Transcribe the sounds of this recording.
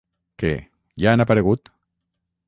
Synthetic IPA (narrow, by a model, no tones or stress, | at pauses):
kḛ | janapaɾeɣut̪